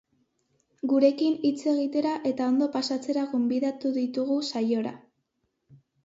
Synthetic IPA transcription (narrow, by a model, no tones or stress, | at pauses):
ɡuɾe̞kinit͡se̞ɣ̞it̪e̞ɾaʔe̞t̪ao̞nd̪o̞pasat͡se̞ɾaɣo̞mbiðat̪uðit̪uɣ̞usajo̞ɾa̰